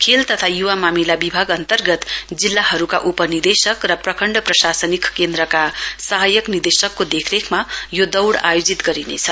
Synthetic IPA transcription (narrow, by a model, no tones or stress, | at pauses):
kʰelt̪ʌt̪ʰajuwamamilabibʱaɡʌnt̪ʌrɡʌt̪d͡zilːahʌɾukaʔupʌnird̪esʌkrʌprʌkʰʌɳɖʌprʌsasʌnikkend̪ɾʌkasaɦajʌknird̪esʌkːod̪ekʰɾekʰmajod̪ʌwɽa̰jod͡zit̪ɡʌɾinḛt͡sʰʌ